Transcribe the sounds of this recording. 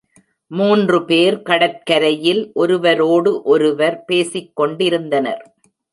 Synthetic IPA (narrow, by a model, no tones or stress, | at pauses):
muːndrɯpeːɾkɐɽɐt̚kɐɾɐjɪlʔɔɾɯʋɐɾoːɽɯʔɔɾɯʋɐɾpeːsɪkːɔɳɖɪɾɯnd̪ɐnɐ̰ɾ